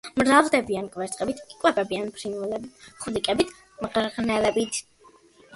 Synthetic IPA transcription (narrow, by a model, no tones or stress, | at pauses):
mɾavlˠd̪ɛbiankʼvɛɾt̪sʼqʼɛbit̪ʰʼikʼwɛpʼɛbianpʰɾinvɛlɛbiχulikʼɛbit̪ʰ | mʁɾʁnɛlɛbit̪ʰ